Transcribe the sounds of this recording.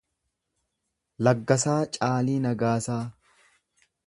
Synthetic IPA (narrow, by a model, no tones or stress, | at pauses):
lɐɡːɐsaːt͡ʃʼaːliːnɐɡaːsaː